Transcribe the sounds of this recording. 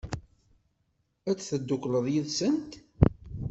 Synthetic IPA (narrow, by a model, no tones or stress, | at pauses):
æt͡sːθəd̪ːʊkləðˤjiðsənt̪